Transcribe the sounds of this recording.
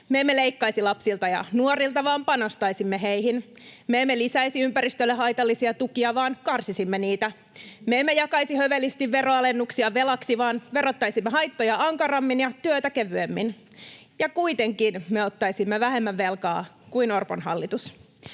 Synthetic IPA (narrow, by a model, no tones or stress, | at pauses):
meemːeleikːɑisilɑpsilt̪ɑjɑ̰nuorilt̪ɑʋɑːmpɑno̞st̪ɑisimːeɦeiɦin | meemːelisæjsiympæɾist̪ølːeɦɑjt̪ɑlːisiɑt̪ukiɑʋɑːnkɑrsisimːeniːt̪æ | meemːejɑkɑisihøʋelːist̪iʋʋeroɑle̞nːuksiɑʋelɑksiʋɑːnʋe̞ɾot̪ːɑjsimːeɦɑjt̪ːojɑɑŋkɑrɑmːinjɑt̪yøt̪ækeʋyemːin | jɑkuit̪e̞ŋkinmeot̪ːɑijsimːeʋæhemːæʋʋe̞lkɑ̰ːkuinorpo̰nhɑ̰lːit̪us